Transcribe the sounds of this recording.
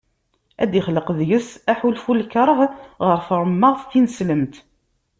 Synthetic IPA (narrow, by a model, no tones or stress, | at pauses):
æ̰d̪iχləqəðjəsæħulfulkəɾˤəʁʁəɾfəɾˤəmːəʁθθinəsləmt̪